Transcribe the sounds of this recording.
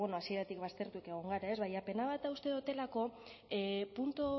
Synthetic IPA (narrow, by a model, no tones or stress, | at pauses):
ono̞asie̞ɾat̪ikβast̪e̞ɾt̪uke̞ɣ̞o̞ŋɡaɾae̞zβajape̞naβat̪aust̪e̞ðot̪e̞lako̞ | punt̪o